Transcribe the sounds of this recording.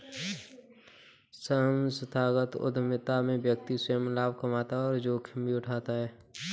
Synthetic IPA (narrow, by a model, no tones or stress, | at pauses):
səɦəmsɪt̪ʰaːɡət̪ʊ̰d̪ʱmɪt̪amẽbjək̚t̪isemlaːb̚ʱkəmaːt̪aɔːɾd͡ʒoːkʰɪmbiʊʈʰaːt̪aɦɛː